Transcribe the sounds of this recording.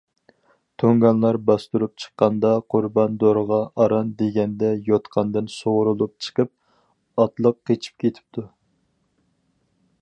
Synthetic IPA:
t̪ʰøŋɡɑnlˠɑɾbɑst̪uɾup̚t͡ʃʰə̥qːɑnd̪ɑqʰʊɾbɑnd̪oɾʁɑʔɑɾɑnd̪eɡʲɛnd̪ɛjot̪qʰɑnd̪ɨnsoʁɾulˠup̚t͡ʃʰə̥qəp̚ | ɑt̪lˠəqːet͡ʃʰi̥p̚kʲʰet̪ʰɪ̥p̚t̪ʰu

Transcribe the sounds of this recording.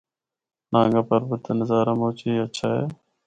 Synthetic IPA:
nãːŋɡaːpəɾbət̪enəzaːɾãːmoːt͡ʃeːət͡ʃʰaːɦḛː

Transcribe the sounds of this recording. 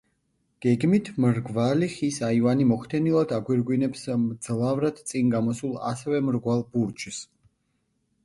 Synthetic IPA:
ɡ̥ɛɡmit̪ʰmɾɡvaliχisaivanimɔχʰt̪ʰɛnilˠad̪aɡwiɾɡwinɛpsmd̪z̥lˠavɾad̪̥t̪sʼinɡamɔsulˠa̰sɛvɛmɾɡwalˠbuɾt͡ʃʰs

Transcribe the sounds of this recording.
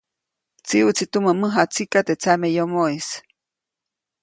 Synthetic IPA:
t͡siut͡sit̪uməməɦat͡sikat̪et͡samejomois

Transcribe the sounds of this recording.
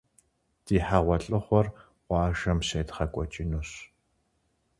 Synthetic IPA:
d̥iːħaːʁʷɔɬʼɨχʷɔr | ʁʷɑːʒɐmseːtχɐkʷʼɔt͡ʃʼinuɕ

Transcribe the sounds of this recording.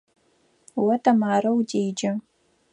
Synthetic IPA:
wɐtʰɐmaːɾɐwdeːjd͡ʒɐ

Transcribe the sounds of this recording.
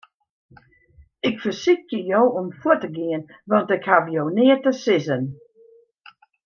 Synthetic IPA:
ɪkfərsixtəjowomfuətəɡɪən | ʋɑntɪkhavjownɪːətəsɪzən

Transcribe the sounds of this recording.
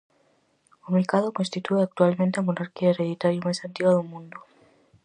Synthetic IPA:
omeɾkaðokonst̪it̪ueak̚t̪ualmẽnt̪eamonaɾkiaeɾeðit̪aɾjomajsant̪iɣwaðumũnd̪o

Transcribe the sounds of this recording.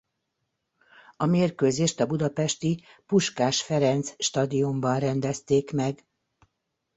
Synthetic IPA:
ɒmeːrkøːzeːʃt̪ɒbud̪ɒpɛʃt̪ipuʃkaːʃfɛɾɛnt̪sʃt̪ɒd̪iumbɒnrɛnd̪ɛst̪eːkmɛɡ

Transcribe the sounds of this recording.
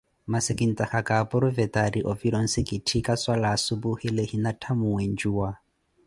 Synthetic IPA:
masɪkʼin̩tʼaxakʼapʼʊɾʊvɛtʼaɾiʔɔviɾɔn̩sɪkʼitʰikʼaswalaːsubuhilehinatʰamuwen̩d͡ʒuːwa

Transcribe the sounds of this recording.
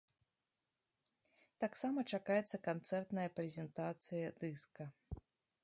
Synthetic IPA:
t̪aksamɐt͡ʂakajɛt̪sːɐkant̪sɛrt̪nɐjɐpɾʲɛzʲɛnt̪at̪sɨjɐd̪ɨskɐ

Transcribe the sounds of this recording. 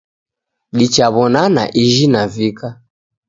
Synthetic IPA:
ɗit͡ʃaβɔnana̰ʔiʒinavika

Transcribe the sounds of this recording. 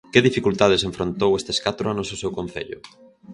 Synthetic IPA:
kɪðifikult̪að̞eseɱfɾont̪owest̪e̥skat̪ɾoanososewkõn̟θḛʎʊ̰

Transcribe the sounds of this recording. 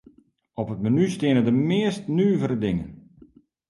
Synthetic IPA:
ɔpətmanystɪənədəmɪːəstnyːvəɾədɪŋə̰n

